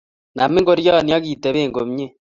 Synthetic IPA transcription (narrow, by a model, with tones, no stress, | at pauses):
na˨mi˦ŋɡo˦ɾja˦˨nja˦ɣi˨te˨βeː˦˨ŋɡo˨mɲe˦